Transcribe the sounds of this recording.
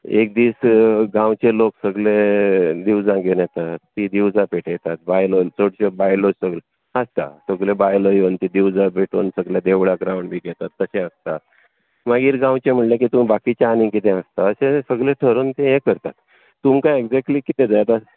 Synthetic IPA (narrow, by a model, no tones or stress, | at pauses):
ḛk̚d̪iːsɡãwt͡ɕeloksəɡled̪iwd͡zãɡenjɛt̪at̪ːid̪iwd͡zãpeʈʰjt̪at̪̚bajlot͡soɽɕebajlosəɡle | ast̪a̰səɡlebajləjont̪id̪iwd͡zapeʈoːnsəɡljad̪eʋɭaɡɾawɳɖbʱiːɡɛt̪at̪ːəsẽast̪at̪ | maɡiːɾɡãwt͡ɕem̤əʈlakit̪umbakit͡ɕaanĩkit̪ẽast̪aəsesəɡɭleʈʰəɾuːnt̪ẽɦekəɾt̪at̪ː | umkaeɡd͡zɛk̚ʈliːkit̪ẽd͡zajt̪a